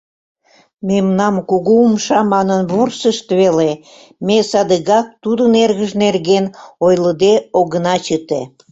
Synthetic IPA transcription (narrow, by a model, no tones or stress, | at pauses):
memnɑmkuɣuumʃɑmɑnənβursəʃt̪βele | mesɑd̪əɣɑk̚t̪ud̪ənerɣəʒnerɣenojləd̪eoɣənɑt͡ɕət̪ḛ